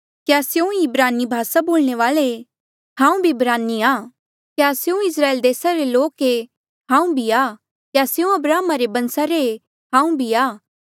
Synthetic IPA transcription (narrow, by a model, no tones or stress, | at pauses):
kjaːsjũibɾaːnibʱaːsaboːlɽ̃eʋaːle | hãːũbʱibɾaːniaː | kjaːsjũɪs̬ɾaːeːld̪eːsaɾeloːke | ɦãːũbʱiaː | kjaːsjũɐbɾaːmaɾebɐ̃nsaɾe | ɦãːũbʱiaː